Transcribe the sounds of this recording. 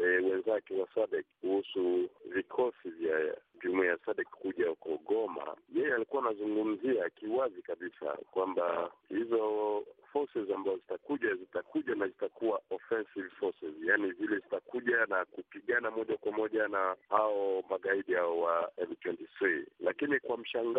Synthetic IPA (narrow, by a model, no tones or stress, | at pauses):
ɛwɛnzakɛwasaɗɛkkuhusuvikʰɔsivjaʄumiasaɗɛkkuʄahukɔɠɔma̰jɛjɛalikuanazuŋɡum̩ziakiwazikaɓisa̰kwambahizɔfɔsɛzambazɔzitakuʄazitakuʄanazitakuaʔɔfɛnsivfɔsɛzjanizilɛzitakuʄanakupiɠanamɔʄakwamɔʄanahaɔmaɠaiɗihaɔwaɛltwɛntiθɾilakinikwam̩ʃaŋɡ